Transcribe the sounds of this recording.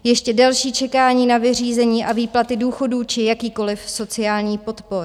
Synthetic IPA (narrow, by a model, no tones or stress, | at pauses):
jɛʃcɛdalʃiːt͡ʃɛkaːɲiːnavɪriːzɛɲiːʔaviːplat̪ɪduːxo̞duːt͡ʃɪjakiːko̞lɪfso̞t͡sɪaːlɲiːpo̞t̪po̞ɾ